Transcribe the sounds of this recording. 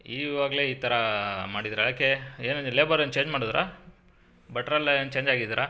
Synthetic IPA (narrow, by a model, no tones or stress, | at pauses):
iːʋaːɡɐle̞ːiːt̪ʰɐɾɐmaːɽid̪ɾɐlɐkeeːnɐleːbɐɾɐnt͡ʃe̞ːɲd͡ʒmaːɽid̪ɾa̰ | bɐʈɾɐlent͡ʃe̞ːɲd͡ʒaːɡid̪iɾɐ